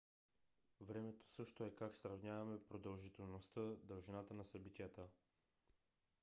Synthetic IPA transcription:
vɾɛmɛt̪o̥sɤʃt̪oɛkaksɾɐvnʲavɐmɛpɾod̪əlˠʒit̪ɛlˠnost̪əd̪əlˠʒinat̪ənɐsɐbit̪ijət̪ə

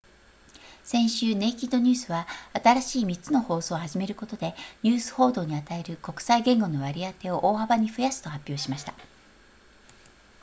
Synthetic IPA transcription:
sẽ̞ɰ̃ɕɨːne̞kʲid̪o̞ɲ̟ɨːsɨβaat̪aɾaɕiːmʲit͡sɨno̞ho̞ːso̞ːhaʑime̞ɾɯ̟ko̞t̪o̞d̪e̞ɲ̟ʲɨːsɨ̥ho̞ːd̪o̞ːɲ̟iat̪ae̞ɾɯ̟ko̞kɯ̟̥saiɡẽ̞ŋɡo̞no̞βaɾʲiat̪e̞o̞ʔoːhabaɲ̟iɸɯ̟jasɨ̥t̪o̞hapʲːjo̞ːɕimaɕi̥t̪ḁ

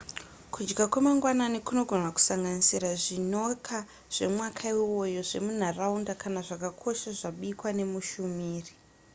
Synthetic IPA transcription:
kud͡ʒɡakwamaŋɡwananikuno̞ɡʱo̞nwaku̥saŋɡanisiɾaʐino̞kʰa | ʐ̥e̞̰mwakʰaiwo̞jo̞ʐe̞̰mun̤araundakanaʐakakʰo̞ʃaʐaɓikwane̞muʃumiːri

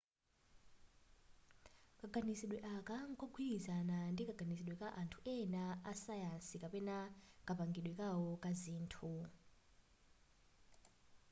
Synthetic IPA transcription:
kʼaɡʱanisiɗwɛʔakʼaŋkʼɔɡʰʱwilizanandikʼaɡʱanisiɗwɛkʼaʔantʰu̥ʔɛnaasajansikʼapɛnakʼapaŋɡiɗwɛkʼawɔkʼaziːntʰu

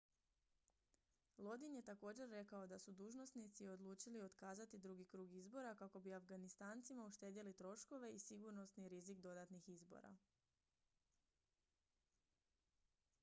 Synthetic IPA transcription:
lˠo̞d̪inje̞t̪ako̞ːd͡ʑe̞ɾːe̞kao̞d̪asud̪uːʒno̞snit̪sio̞d̪lˠuːt͡ʃilio̞t̪kaːzat̪id̪ɾuɡikɾuːɡizbo̞ɾakako̞biafɡanist̪aːnt̪simauʃt̪e̞ːd̪jelit̪ɾo̞ʃko̞ʋe̞isiɡuɾno̞sniɾizikd̪o̞d̪at̪nixizbo̞̰ɾa̰

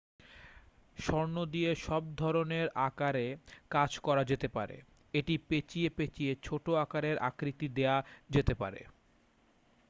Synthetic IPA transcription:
ʃɔɾnod̪ieʃɔb̚d̪ʱɔɾoneɾakaɾekad͡ʑkɔɾad͡ʑet̪epa̰ɾḛ | eʈipet͡ɕiepet͡ɕiet͡ɕʰoʈoakaɾeɾʔa̰kɾit̪id̪ead͡ʑet̪epa̰ɾḛ

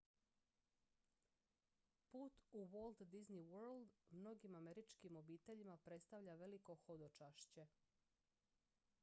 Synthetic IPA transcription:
puːt̪uʋolˠd̪d̪izniwøɾld̪mno̞ɡimameɾit͡ʃkimo̞biːt̪e̞ʎimapɾe̞t̪st̪aʋʎaʋe̞liko̞xo̞d̪ot͡ʃaʃt͡ɕe̞

